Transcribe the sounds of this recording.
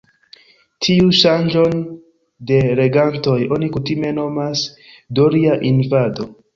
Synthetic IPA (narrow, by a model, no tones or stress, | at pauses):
tʰiuʃand͡ʒo̞n | de̞ɾe̞ɡanto̞jo̞nikutime̞no̞mas | doɾiaʔinvado̞